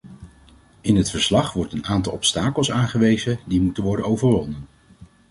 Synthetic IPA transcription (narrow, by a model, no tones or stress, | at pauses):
ɪnɦətfəɹslɑχʋɔɹtənaːntɑlˠɔpstaːkəlˠsaːnχəʋejzədimutənʋɔɹdənowvəɹʋɔnən